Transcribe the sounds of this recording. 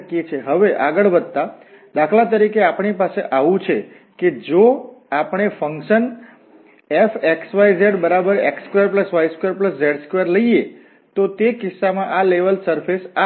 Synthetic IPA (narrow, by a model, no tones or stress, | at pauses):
kiet͡ʃʰeɦəʋeʔaɡəɭbəd̪̚t̪a | d̪akʰlat̪̬əɾikeapɳipaseʔaʋũt͡ʃʰe | ked͡ʒoapəɳ̃efəŋkʃən | efeksʋajzeɖbəɾabəɾḛkskʋjəɾp̬ləsʋajskwjaɾpləsd͡ʒeɖskwjaɾləie | t̪ot̪ekɪsːamãʔaleʋəlsəɾfesa